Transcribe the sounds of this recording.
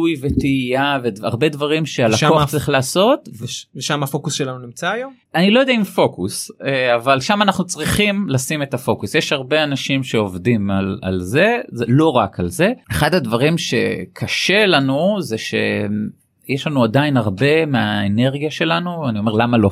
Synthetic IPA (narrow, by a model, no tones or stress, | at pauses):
ujvetiijaveaʁbe̞dvaʁimʃealakoaχt͡sʁiχlaːso̞tveʃamafokusʃelanunimt͡saːjom | anilo̞jod̪eaimfo̞kuseavalʃamanaχnut͡sʁiχimlasime̞t̪afo̞kusjeʃhaʁbe̞anaʃimʃe̞o̞vdimala̰lze̞zelo̞ʁakalze̞eχadhadvaʁimʃe̞̰kʰaʃe̞lanuzeʃe̞̰ | jeʃlanuadainaʁbe̞meaene̞ʁɡijaʃe̞lanuanio̞me̞ʁlamalo